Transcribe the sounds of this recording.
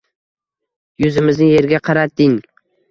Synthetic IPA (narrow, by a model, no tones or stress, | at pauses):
jʊzɪmɪznɪje̞ɾɡʲaqʰɑɾat̪ːɪŋ